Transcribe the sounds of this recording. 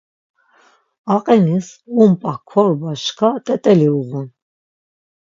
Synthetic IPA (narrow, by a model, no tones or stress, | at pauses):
aqʼɛnisumpʼakʰwɔɾbaʃkʰat̪ʼɛt̪ʼɛliuɣun